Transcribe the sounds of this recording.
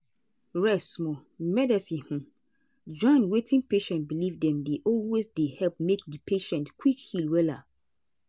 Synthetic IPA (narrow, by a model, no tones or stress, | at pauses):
ɹɛsmɔmɛdɛsĩh̩ | d͡ʒɔ̃nwetʰĩnpeʃɛ̃ntbilivdɛ̃mdeʔɔlwesdehɛlp̚mek̚dipʰeʃɛ̃ntkwikhilwɛla